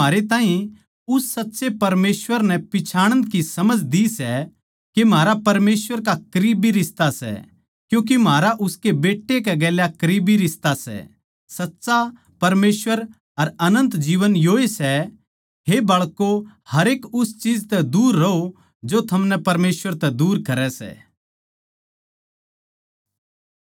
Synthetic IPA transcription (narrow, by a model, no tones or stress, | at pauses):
aːɾet̪ãːɦĩ | ʊsːɐtːsepɐɾmeːsʋəɾnɛ̃pɪt͡ʃʰaːɽ̃ə̃nd̪̚kisɐməd͡ʒd̪isɛ | kemɦaːɾapɐɾmeːsʋəɾkakɐɾiːbiɾɪst̪asɛ̰ | kjũːk̬im̤aːɾaʔʊskebeːʈːekɛɡɛːljakɐɾiːbiɾɪst̪asɛ̰ | sɐtːsa | pɐɾmeːsʋəɾ | ɐɾɐnə̃nt̪d͡ʒiːʋənjoːesɛ | ɦebɐɭkohɐɾeːkʊst͡ʃiːd͡ʒt̪ɛd̪uːɾːɐo | d͡ʒot̪ʰɐmnɛpɐɾmeːsʋəɾt̪ɛd̪uːɾkɐɾɛsɛ̰ː